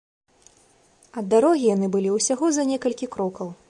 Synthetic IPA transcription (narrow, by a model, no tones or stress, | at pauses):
ɐd̪ːaɾɔɣʲijanɨbɨlʲiwsʲaɣɔzɐnʲɛkɐlʲkʲikɾɔkɐw